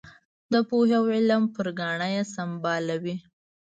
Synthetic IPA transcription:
d̪əpohawɪlampəɾɡɑɳajasambɑlawi

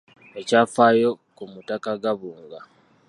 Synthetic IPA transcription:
e̞caːfaːjo̞ | kumutakaɡaβuːŋɡa

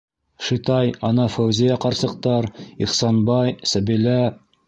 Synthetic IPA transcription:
ʃit̪ɑjɑnɑfæwzʲijɑqɑɾsɤ̆q̚t̪ɑɾiχsɑnbɑjsæbilæ

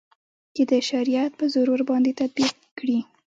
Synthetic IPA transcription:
t͡ʃed̪əʃaɾijat̪̚pəzʊɾuɾbɑnd̪et̪ad̪̚biq | kɽi

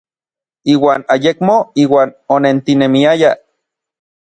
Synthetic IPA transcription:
iːwaːnajekmoiːwaːnonent̪inemiaja

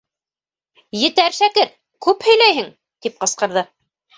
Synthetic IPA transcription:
jɘ̆t̪æɾʃækɘɾ | kʉphɵ̆jlæjɦɘŋ | t̪ip̚qɤ̆sqɤ̆ɾðɤ

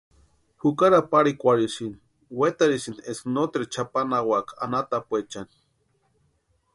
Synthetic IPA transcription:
hukaɾapaɾikʷaɾisini | wet̪aɾisinesnot̪ɾit͡ʃʰapanawaka̰nat̪apwet͡ʃani̥

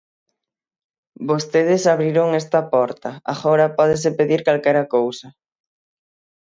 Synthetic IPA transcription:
bost̪eðɪsaβɾiɾoŋɛst̪ɐpɔɾt̪ɐa̰ɣɔɾɐpɔð̞ɪs̬ɪpeðiɾkalkɛɾɐkowsɐ

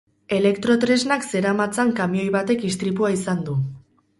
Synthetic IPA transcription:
e̞le̞kt̪ɾo̞t̪ɾe̞znakse̞ɾamat͡saŋkamio̞jβat̪e̞kist̪ɾipuaisand̪u

